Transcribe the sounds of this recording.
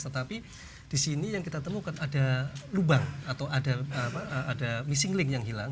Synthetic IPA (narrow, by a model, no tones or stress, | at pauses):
t̪ət̪api | d̥isinijaŋkit̪at̪əmukanadalubaŋat̪awadapaadamisɪŋlɪŋjaŋɦilaŋ